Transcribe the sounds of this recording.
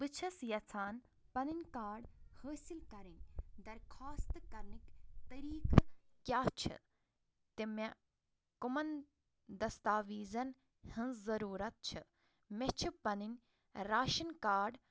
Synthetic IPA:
bɨt͡ʃʰɐsjɐt͡sʰaːn | pɐninʲkaːɖhəːsilkɐɾinʲd̪ɐɾkʰaːst̪kɐɾnikt̪ɐɾiːkkʲjaːt͡ʃʰɨ̰ | t̪ime | kumɐn | d̪ɐst̪aːʋiːzɐn | hɨnzɐɾuːɾɐt̪̚t͡ʃʰɨ | met͡ʃʰipɐninʲ | ɾaːʃɐnkaːɖ

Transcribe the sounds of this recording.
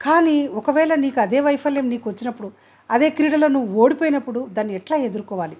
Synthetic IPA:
kaːniːɔkɐʋɛːɭɐniːkuɐd̪e̞ːʋɐjpʰɐljɐmniːkuʋɐt͡ʃːinɐpːuɽu | ɐd̪e̞ːkɾiːɽɐlɐnuuo̞ːɽipoːjinɐpːuɽud̪aːnːiɛʈlaːe̞d̪uɾukɔːʋaːli

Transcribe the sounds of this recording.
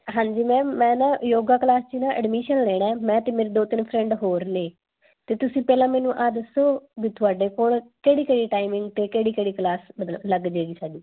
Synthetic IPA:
ɦãːɲd͡ʒiːmɛ̃ːmɛ̃ːnãːjoːɡaːklaːst͡ʃiːnãːʔə̰ɖmiːʃənlɛːɽɛːmɛ̃ːt̪eːmeːɾeːd̪oːt̪ɪnpʰɾɛ̃ːɳɖɦoːɾneː | t̪eːt̪ʊsĩːpɛːlãːmɛːnũːʔaːd̪əsoːbit̪ʰʊaːɖeːkoːlkeːɽiːkeːɽiːʈaːimɪ̃ŋɡt̪eːkeːɽiːkeːɽiːklaːsmət̪ləbləɡd͡ʒeːɡiːsaːd͡ʒiː

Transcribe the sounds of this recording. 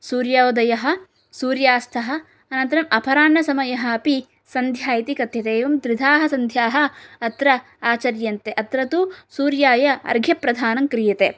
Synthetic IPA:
suːɾjaːod̪ɐjɐɦɐ̆ | suːɾjaːst̪ʰɐɦɐ̆ | ɐnɐnt̪ɐɾɐmɐpʰɐɾaːnːɐsɐmɐjɐɦɐ̆ɐpi | sɐnd̪ʱjaːjit̪ikɐt̪jɐt̪eːʋɐmd̪ɾid̪ʱaːɦɐsɐnd̪ʱjaːɦɐ̆ɐt̪ɾɐ | aːt͡ʃɐɾjɐnt̪eʔɐt̪ɾɐt̪usuːɾjaːjɐɐ̰ɾɡʱjɐpɾɐd̪ʱaːnɐmkɾijɐt̪eː

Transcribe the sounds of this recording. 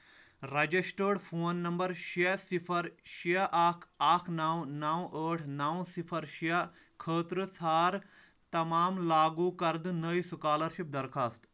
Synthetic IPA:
ɾɐd͡ʒisʈəːɖpʰoːnːɐmbɐɾʃesipʰɐɾʃiaʔaːkʰaːkʰnaːwnaːw̃ʔəːʈʰnaːw̃sipʰɐɾʃia | kʰəːt̪ɾɨsʰaːɾ | t̪ɐmaːmlaːɡuːkɐɾd̪ɨnəisukaːlɐɾʃip̚d̪ɐɾkʰaːst̪

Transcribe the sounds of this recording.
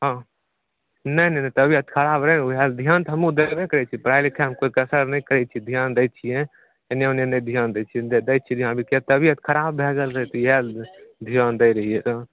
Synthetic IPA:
ɦã | nəinənɛt̪əbʱiət̪kʰəɾaːbɾəɦɛɦɛld̪ʱijaːnt̪ɦəmũd̪ebekəɾɛt͡ʃʰipɾaɪlekʰɛmkoikəsəɾnə̃ĩkəɾɛt͡ʃʰid̪ʱijaːnd̪ət͡ʃʰijẽ | enenenə̃d̪ʱjaːnd̪t͡ʃʰid̪əj̚t͡ʃʰid̪ʱjãnbikiət̪əbiət̪kʰəɾaːbːʱeɡəlɾəɦɛt̪ɔjɦɛld̪ʱijaːnd̪əɪɾəɦiet̪ə

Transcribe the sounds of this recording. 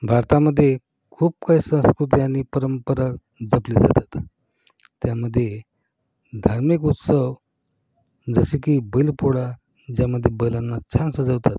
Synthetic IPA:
bʱaɾt̪aməd̪ʱːje | kʰuːp̚kaisə̃w̃skɾut̪iañipəɾəmpəɾa | d͡zəpled͡za̰t̪at̪ː | jaməd̪ʱːje | d̪ʱaɾmikut̪səʋ | d͡zəɕikiːbəlpoɽa | d͡ʑjaməd̪ʱːjebəjlanːat͡ɕʰansəd͡zəʋt̪at̪

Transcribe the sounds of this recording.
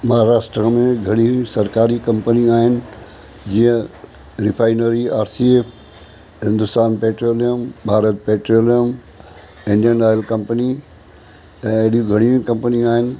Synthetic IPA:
mɐɦaɾaːsʈɾəmẽɡʱɐɽ̃iĩsɐɾkaːɾikɐ̃mpəniaːɦɪnɪ̆ | d͡ʑiə̃ | ɾɪfʰaːɪnəɾiaːɾsieːp | ɦɪ̃nd̪ʊst̪aːnpeːʈɾoːlijəmbʱaːɾət̪̚peːʈɾoːlijəm | ɪ̃ɳɖijənaːjəlkɐ̃mpəni | ɛ̃ːɗijuɡʱɐɽ̃iĩkɐ̃mpənĩaːɦɪnɪ̆

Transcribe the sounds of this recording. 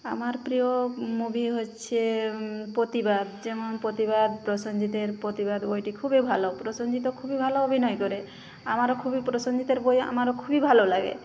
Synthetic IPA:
amaɾpɾijɔmubʱiɦot͡ʃʰepɾot̪ibad̪d͡ʒemɔnpot̪ibad̪pɾɔsɔnd͡ʒit̪eɾpɾot̪ibad̪bojʈikʰubebʱalɔpɾɔsɔnd͡ʒit̪ɔkʰubibʱalɔobʱinɔjkɔɾe | amaɾɔkʰubipɾɔsɔnd͡ʒit̪eɾboja̰maɾɔkʰubibʱalɔlaɡḛ

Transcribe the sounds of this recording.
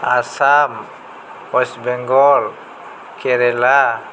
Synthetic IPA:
asam | ɔsbɛŋɡɔl | kʰɛɾɛla

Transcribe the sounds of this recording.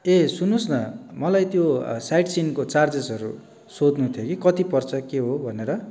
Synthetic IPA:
esunosnʌmʌlajt̪josajʈsinkot͡sard͡zesʌɾṵ | sod̪nut̪ʰjokikʌt̪ipʌrt͡sʰʌkeɦobʱʌneɾʌ

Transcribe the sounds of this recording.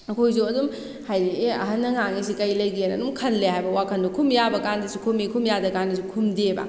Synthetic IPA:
ɐkʰojs̬uɐdum | hajdieɐ̰ɦɐnːɐŋaŋis̬ikɐjlɐjɡienɐ̰dumkʰɐnleɦajbɐwakʰɐndukʰumjabɐkandisukʰumikʰumjadɐkandisukʰumdebɐ̰

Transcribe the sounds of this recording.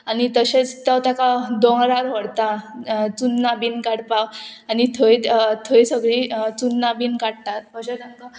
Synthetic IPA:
anit̪əɕet͡st̪awt̪jakad̪õŋɡɾaɾɦəɽt̪at͡sunːabinkaɽpawanit̪ʰəj̪t̪ʰoisəɡɭit͡sunːabinkaɽt̪at̪̚kəɕet̪aŋt̪ə

